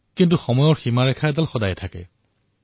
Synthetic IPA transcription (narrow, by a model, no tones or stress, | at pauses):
kintuxɔmɔjɔɹximaɹɛkʰadalxɔdajtʰakɛ̰